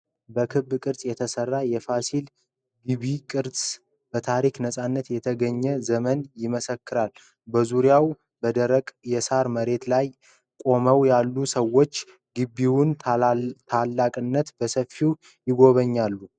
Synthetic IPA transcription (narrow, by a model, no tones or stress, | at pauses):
bəkʰɨbːkʼɨɾsʼjɛt̪ʰəsərːajɛfasil | ɡɨβikʼɨɾʼ | b̥ət̪ʰaɾiknəsʼanːət̪jɛt̪ʰəɡəɲːɛzəmənjɪməsəkːɨɾal | bəzuɾjaw | bəd̪əɾəkʼjɛsaɾməɾe̞t̪laj | kʼo̞məwjalːusəwo̞t͡ʃː | ɡɨbːiwʊn | t̪ʰalːakʼɨnːət̪bəsəfːiw | jɪɡo̞βəɲːalːu